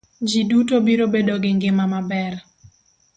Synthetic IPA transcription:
d͡ʒidutobiɾobedoɡɪŋɡɪmamabɛr

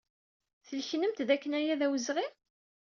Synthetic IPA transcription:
θəlçnəmt̪ðækːənæjæðæwəzʁi

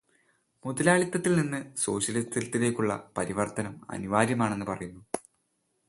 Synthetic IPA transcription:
muðɐlaːɭit̪ːɐt̪ːilninːɨso̞̰ːɕjɐlist̪ilt̪ːile̞ːkʲːuɭːɐ̰pɐɾiʋɐrt̪ɐnɐmɐ̰niʋaːɾjɐmaːɳe̞nːɨpɐrɐjunːu

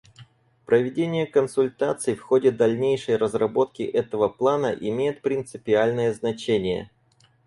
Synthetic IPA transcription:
pɾəvʲɪdʲenʲɪjəkənsʊlʲt̪at̪sɨjfxo̞dʲɪd̪ɐlʲnʲejʂəjrəzrɐbo̞t̪kʲɪʔɛt̪əvəplˠanə̰ʔɪmʲejɪt̪̚pɾʲɪnt̪sɨpʲɪalʲnəjəznɐt͡ɕenʲɪjə̰

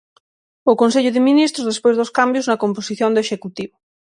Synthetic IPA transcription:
okons̬eʎʊðeminist̪ɾozðespejzðoskambjoznɐkomposiθjond̪oeʃekut̪iβo

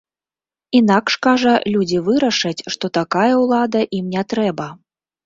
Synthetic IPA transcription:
inakʂkaʐɐlʲud͡zʲivɨɾɐʂɐt͡sʲʂt̪ɔt̪akajɐwlˠad̪ɐʔimnʲɛt̪ɾɛbɐ

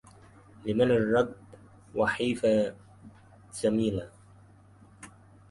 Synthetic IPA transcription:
lɪmanɪrˤːɑb | wɑħiːfa | d͡ʒ̥amiːla

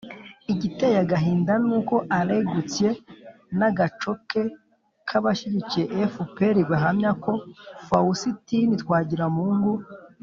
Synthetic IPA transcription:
iɟitejaɡaɦiːndanuːko̞ʔaɾeɡut͡sje̞ | naɡat͡ʃo̞ke̞ | kʰaβaʃiɟicijeʔefupeɾiɡwaɦamɲako̞fausitinitwaːɟiɾamuːŋɡu

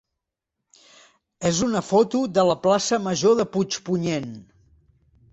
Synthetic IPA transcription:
ezunəfɔt̪uðələplasəməʒoðəput͡ʃpuɲen

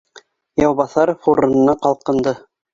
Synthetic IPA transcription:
jɑwβɑθɑɾfoɾɤ̆nɤ̆nɑqɑlˠqɤ̆nd̪ɤ

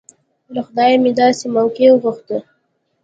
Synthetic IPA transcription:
ɾəxd̪ɑjmed̪ɑsemawkewəɣuxt̪ə

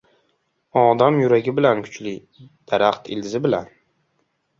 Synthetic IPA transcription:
ɒd̪amjʊɾaɡʲɪbɪlankʰʊ̥t͡ʃlɪ | d̪̥aɾaχt̪ɪlzɪbɪlan

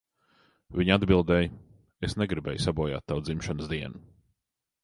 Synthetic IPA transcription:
viɲad̪bilˠd̪ɛːj | esneɡɾibɛ̰ːjsabuɔja̰ːt̪ːawd̪zimʃanəsd̪iɛnu

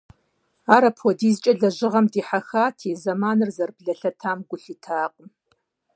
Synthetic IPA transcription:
aːɾɐpʰwɔdiːzt͡ʃʼɐɮɐʑɪʁɐmdiːħaxaːtʰiːzɐmaːnɨrzɐrbɮɐɬɐtʰaːmɡʷʊɬiːtʰaːqʼəm

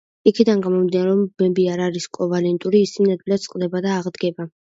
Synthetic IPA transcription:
ikʰid̪anɡamɔmd̪inaɾɛɔmbɛbiaɾaɾiskʼɔvalɛnt̪ʼuɾiːsʰinad̪vilat̪sʼqʼd̪ɛbad̪aːʁd̪ɡɛba

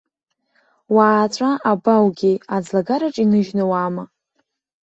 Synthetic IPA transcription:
waːt͡sʷʼaʔabawɡʲiad͡zlaɡaɾaʈ͡ʂʼinɨʒnawama

